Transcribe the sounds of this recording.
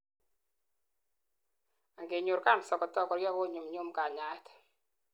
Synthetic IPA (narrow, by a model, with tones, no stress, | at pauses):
a˨ŋɡe˨ɲʊ˨ɾka˦nsɔ˨kɔ˨tɔ˦kɔ˨ɾjɔ˦ko˦˨ɲu˨mɲu˦mka˨ɲa˦t